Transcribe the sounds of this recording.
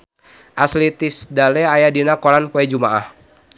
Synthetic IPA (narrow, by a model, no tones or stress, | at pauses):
ʔaslit̪isdalɛajadinakɔɾanpoɛd͡ʒumaʔah